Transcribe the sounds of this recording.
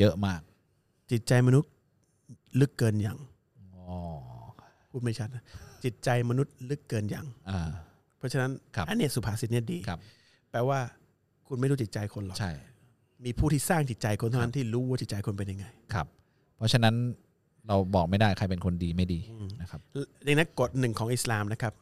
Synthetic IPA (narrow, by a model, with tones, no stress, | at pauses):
jɤ˦˥ʔmaː˥˩k̚ | t͡ɕi˨˩t̪̚t͡ɕa˧jma˧nu˦˥t̪̚ | lɯ˦˥kːɤː˧nja˨˩ŋ | ɔ˧˩ | pʰuː˥˩t̪̚ma˥˩jt͡ɕʰa˦˥t̪̚na˦˥t͡ɕi˨˩t̪̚t͡ɕa˧jma˧nu˦˥t̪̚lɯ˦˥kːɤː˧nja̰˨˩ŋʔaː˧˩ | pʰɔ˦˥t͡ɕʰa˧na˦˥nkʰa˦˥ʔa˧nːi˥˩ɐsu˨˩pʰaː˨˩˥si˨t̪̚ni˦˥˩diː˧kʰa˦˥p̚ | pɛː˧waː˥˩ | kʰu˧nma˥˩jɾuː˦˥t͡ɕi˨˩t̪̚t͡ɕa˧jkʰo˧nlɔ˨˩t͡ɕʰa˥˩j | miː˧pʰuː˥˩t̪ʰiː˥˩saː˥˩ŋt͡ɕi˨˩t̪̚t͡ɕa˧jkʰo˧nt̪ʰa˥˩˧na˦˥nt̪ʰiː˥˩ɾuː˦waː˥˩t͡ɕi˨˩t̪̚t͡ɕa˧jkʰo˧npe˧nja˧ŋːa˧jkʰa̰˦˥p̚ʰː | ɔ˦˥t͡ɕʰa˧na˦˥n | ɾa˧wbɔː˨˩k̚ma˥˩jdaː˥˩jkʰa˧jpe˧nkʰo˧ndiː˧ma˥˩jdiː˧ɯː˧˩na˦˥kʰa˦˥pja˨˩ŋna˦˥ko˨˩t̪̚nɯ˨˩ŋkʰɔː˩˦ŋʔi˨˩slaː˨˧mna˦˥kʰa˦˥p̚